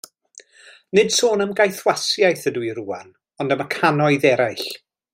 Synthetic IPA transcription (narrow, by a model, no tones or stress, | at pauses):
nɨd̥soːnəmɡajθwasjajθəduiɾuːa̰n | ɔndəməkʰanɔɨðɛɾajɬ